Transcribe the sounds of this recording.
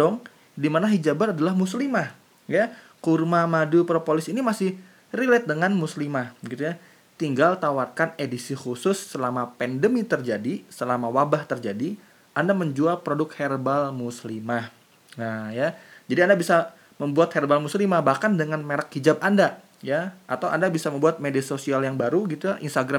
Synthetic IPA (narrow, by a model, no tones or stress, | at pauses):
dɔŋ | dimanaɦid͡ʒabat̪adalahmuslimah | ja | kurmamadupɾopolɪsinimasɪh | rilɛt̪̚dəŋanmuslimahbəɡit̪uja | t̪iŋɡalt̪awarkanedisixusʊsːəlamapɛndəmit̪ərd͡ʒadisəlamawabaht̪ərd͡ʒadi | ʔandaməɲd͡ʒualpɾodʊk̚herbalmuslimah | najad͡ʒadiandabisa | məmbuat̪̚hɛrbalmuslimahbahkandəŋanmeɾakhid͡ʒap̚anda | jaat̪awandabisaməmbuat̪̚mediasosialjaŋbaɾuɡit̪ujaʔinst̪aɡɾa